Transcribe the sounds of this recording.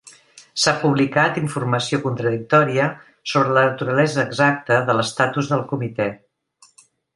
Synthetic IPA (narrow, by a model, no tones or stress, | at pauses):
sapuβlikat̪iɱfurməsiokunt̪ɾəðik̚t̪ɔɾiə | soβɾələnət̪uɾəlɛzəːɡzak̚t̪əðələst̪at̪uzðəlˠkumit̪ɛ